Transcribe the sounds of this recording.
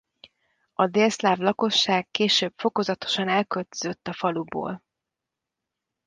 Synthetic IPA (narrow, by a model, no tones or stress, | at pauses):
ɒd̪eːlslaːvlɒko̞ʃːaːkːeːʃøːbfo̞ko̞zɒt̪o̞̥ʃɒnɛlkølt̪øzø̞t̪ːɒfɒlubo̰ːl